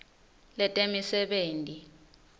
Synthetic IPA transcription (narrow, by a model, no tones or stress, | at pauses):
lɛtʼemisɛɓeːntʼi